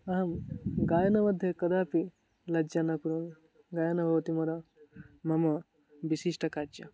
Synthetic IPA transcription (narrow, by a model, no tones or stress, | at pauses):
ɐɦɐmɡaːjɐnɐmɐd̪ʱjekɐd̪aːpi | lɐd͡ʒanɐkuɾon | ɡaːjɐnɐbʱɐʋɐt̪imɐɾɐmɐmɐ | bisiʃʈɐkad͡ʒɐ